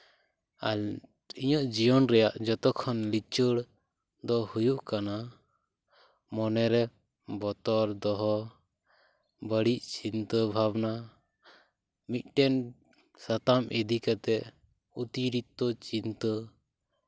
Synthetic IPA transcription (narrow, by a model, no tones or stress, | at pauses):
al | iɲɔʔd͡ʒijɔnɾɛjaʔd͡ʒɔt̪ɔkʰːɔnlit͡ʃəɽ | d̪ɔhujuʔkana | mɔnɛɾɛ | bɔt̪ɔɾd̪ɔɦɔ | bəɽiʔt͡ʃint̪əbʱabna | mit̪̚ˀʈɛn | sat̪amʔɛd̪ikat̪ɛʔ | ut̪iɾit̪ːɔt͡ʃint̪ə